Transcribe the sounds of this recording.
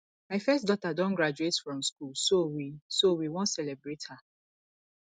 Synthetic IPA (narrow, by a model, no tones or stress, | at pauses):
maɪfɛstdɔtadɔ̃nɡɹad͡ʒuetfɹɔ̃mskulsowisowiwɔ̃ntsɛlɛbɹetha